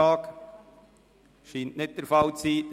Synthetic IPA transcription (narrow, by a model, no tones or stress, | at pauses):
ɑːk | ʃiːntnɪt̚d̥əɾfɑlt͡siː